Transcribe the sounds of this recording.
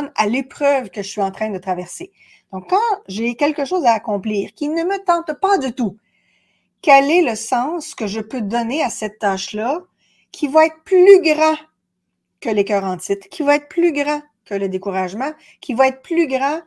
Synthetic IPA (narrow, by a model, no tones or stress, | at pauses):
nalepʁœvkəʒəsɥiɑ̃t̪ʁɛ̃d̪ət̪ʁavɛʁse | d̪̥ɔ̃kːɑ̃ʒekʲɛlkəʃoːzaːkɔ̃pliːʁkʲinəmət̪ɑ̃t̪pad̪yt̪u | kʲɛlɛləsɑ̃skəʒəpød̪ɔneasɛt̪ːaːʃlʌ | kʲʰivaɛːt̪χplyɡʁɑ̃ | kəlekʲœːʁɑ̃t̪ɪt̪kʲivaɛːt̪χplyɡʁɑ̃ | kələd̪ekuʁaʒmɑ̃ | kʲʰivaɛːt̪̚χplyɡʁɑ̃